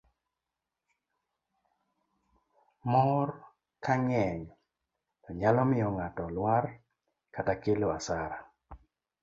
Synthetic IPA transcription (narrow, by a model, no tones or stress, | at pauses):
mɔr | kaŋɛɲ | tɔɲalɔmɪjɔŋatɔlwar | katakeloasaɾa